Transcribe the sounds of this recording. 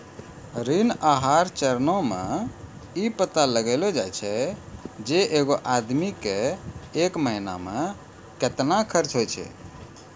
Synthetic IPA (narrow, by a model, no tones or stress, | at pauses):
ɾinaɦaɾt͡ʃəɾnomḛ | ipət̪aləɡelod͡ʒajt͡ʃʰɛ | d͡ʒeʔeɡoʔad̪mikeekməɦina̰me | ket̪nakʰəɾt͡ʃɦojt͡ʃʰɛ̰